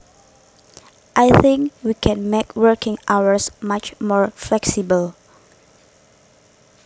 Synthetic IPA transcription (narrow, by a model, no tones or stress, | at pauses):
ʔajθɪ̃ŋkwikʰɛ̃nmekʰwəkɪ̃ŋʔawəsmat͡ʃmɔɹflɛksibəl